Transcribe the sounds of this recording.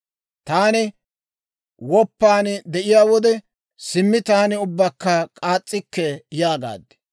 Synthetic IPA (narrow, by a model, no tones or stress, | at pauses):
t̪aːnɪ | wɔpːaːnd̪ɛʔɪjaːwɔd̪ɛ | sɪmːɪt̪aːnɪʊbːɐkːɐkʼaːt͡sʼːɪkːɛjaːɡa̰ːd̪ɛ̥